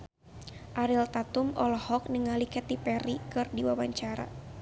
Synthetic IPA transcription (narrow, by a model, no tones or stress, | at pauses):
ʔaɾilt̪at̪umɔlɔhɔk̚nəŋalikɛt̪ipɛɾikɨrdiwawaɲt͡ʃaɾa̰